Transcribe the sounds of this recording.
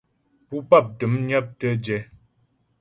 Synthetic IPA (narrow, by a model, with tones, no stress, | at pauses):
pu˦pa˦˨p̚tə˨˦mɲə˦p̚tə˦d͡ʒɛ˨˦